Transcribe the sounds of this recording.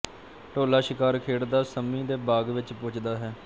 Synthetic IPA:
ʈoːlaːʃɪkaːɾkʰeːɽd̪aːsəmĩːd̪eːbaːɡʋɪt͡ʃpʊt͡ʃd̪aːɦɛː

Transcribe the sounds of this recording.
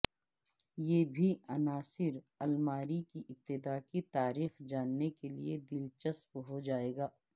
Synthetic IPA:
jeːbʱiɐnaːsɪɾ | ɐlmaːɾikiʔɪp̚t̪ɪd̪aːkit̪aːɾiːxd͡ʒaːnːekelḭed̪ɪlt͡ʃəspɦod͡ʒaːeːɡaː

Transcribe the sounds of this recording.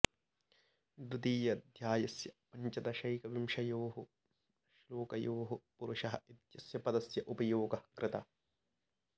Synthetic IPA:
d̪ud̪iːjɐd̪ʱjaːjɐsjɐpɐɲt͡ʃɐt̪ɐʃɐjkɐʋimʃɐjoːɦu | ʃloːkɐjoːɦupuɾʊʃɐɦɐit̪jɐsjɐpɐd̪ɐsjɐʔupɐjoːɡɐɐkɾɪt̪ɐ

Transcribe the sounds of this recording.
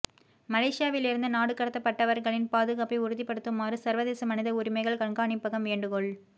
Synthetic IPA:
mɐlɐːʂɪjaːʋɪlɪɾɯnd̪ɯnaːɽɯkːɐɽɐt̪ːɐpːɐʈːɐʋɐɾɣɐɭɪnpaːðɯɣaːpːɐɪʊɾɯðipːɐɽɯt̪ːɯmaːrɯsɐɾʋɐðeːsɐmɐnɪðɐʊɾɪmɐɪɣɐɭkɐɳɡaːɳɪpːɐɣɐmʋeːɳɖɯɣɔɭ

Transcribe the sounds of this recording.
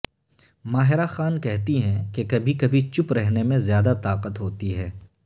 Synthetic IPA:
maːɦɪɾaxaːnkɛɦt̪iɦɛ̃kekɐbʱikɐbʱit͡ʃʊpɾɛɦnemẽzjaːd̪at̪aːqət̪ɦoːt̪iɦɛː

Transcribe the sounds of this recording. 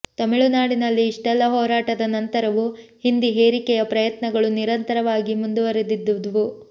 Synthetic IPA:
t̪ɐmiɭunaːɽinɐlːiːʂʈɛlːɐɦɔːɾaːʈɐd̪ɐnɐnt̪ɐɾɐʋuhind̪iɦeːɾikɛjɐpɾɐjɐt̪nɐɡɐɭuniɾɐnt̪ɐɾɐʋaːɡimund̪uʋɐɾed̪id̪ːud̪ʋu

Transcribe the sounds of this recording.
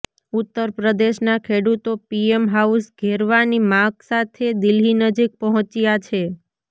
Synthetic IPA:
ut̪ːəɾpɾəd̪eʃnakʰeɽut̪opiemɦausɡʱeɾʋanimãɡsat̪ʰed̪ilɦinəd͡ʒik̚pəɦɔ̃t͡ʃjat͡ʃʰe

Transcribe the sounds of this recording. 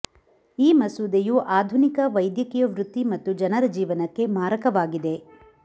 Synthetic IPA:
iːmɐsud̪ejuʔaːd̪ʱunikɐʋɐjd̪jɐkijɐʋɾut̪ːimɐt̪ːud͡ʒɐnɐɾɐd͡ʒiːʋɐnɐkːe̞maːɾɐkɐʋaːɡid̪e̞

